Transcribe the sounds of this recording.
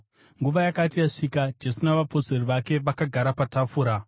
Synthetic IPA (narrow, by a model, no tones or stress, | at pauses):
ŋɡuʋajakatijaʂiːkad͡ʒe̞sunaʋapo̞seriʋake̞ʋakaɡʱaɾapatafuɾa